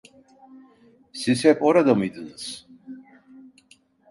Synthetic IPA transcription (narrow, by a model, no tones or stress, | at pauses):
sisɛpʼɔɾad̪amid̪ns